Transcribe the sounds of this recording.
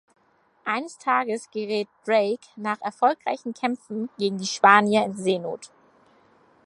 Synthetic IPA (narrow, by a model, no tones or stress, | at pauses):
ʔaɪnəstʰaːɡəsɡ̥əʁɛːt̚d̥ʁeɪknaːχɛɐfɔlkʁa̰ɪçn̩kʰɛmfn̩ɡ̥eːɡŋ̩diːʃpaːnjɐɪnzeːno̰ːt